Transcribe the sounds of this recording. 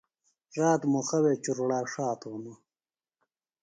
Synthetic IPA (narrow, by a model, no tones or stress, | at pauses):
zaːt̪muxɐwet͡ɕuɾɽaːʂaːt̪unu